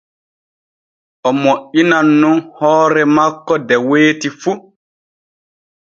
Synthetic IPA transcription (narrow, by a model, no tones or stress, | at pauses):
ʔɔmoʔinanːunhɔːɾɛmakːɔdɛweːtifu